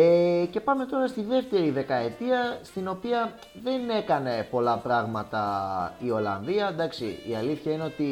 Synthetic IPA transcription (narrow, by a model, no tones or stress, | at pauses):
ece̞pɐme̞t̪o̞ɾɐst̪iðe̞ft̪e̞ɾiðe̞kɐe̞t̪iɐst̪ino̞piɐ | ðe̞ne̞kɐne̞po̞lɐpɾɐɣmɐt̪ɐio̞lɐ̰nðiɐnd̪ɐksḭiɐliθçɐineo̞t̪i